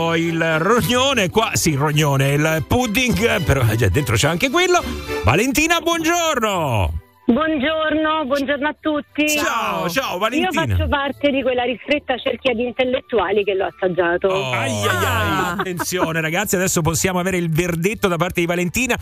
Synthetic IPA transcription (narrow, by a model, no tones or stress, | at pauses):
ilroɲːoːnekwasiroɲːoːneilpud̪iŋɡpeɾɔd͡ʒɛ̰d̪ent̪ɾot͡ʃɛaŋkekwelːova̰lent̪iːnabwɔnd͡ʒorno | bwɔnd͡ʒornobwɔnd͡ʒornoat̪ːut̪ːit͡ʃaot͡ʃaːovaleniiːofana̰t͡ʃːopart̪ed̪ikwelːaɾist̪ɾet̪ːat͡ʃerkiad̪int̪elːet̪ːuaːlikelːoasːad͡ʒːaːt̪oajːajːalat̪ːent̪sjoːneɾaɡat̪sːiad̪ɛsːop̬osːjaːmoaveːɾeilverd̪et̪ːod̪ap̬art̪ed̪ivalent̪iːna